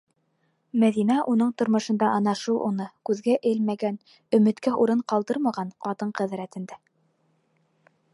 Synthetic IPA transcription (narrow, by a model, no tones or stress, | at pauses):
mæðinæʔunɤɴt̪ŏɾmɤ̆ʃɤ̆nd̪ɑʔɑnɑʃɤwʔṵnɤkʉðɡæʔɘlmæɡæn | ɵ̆mɘ̆t̪kæʔuɾɤɴqɑlˠd̪ɤɾmɑʁɑnqɑt̪ɤɴqæðɾæt̪ɘ̆nd̪æ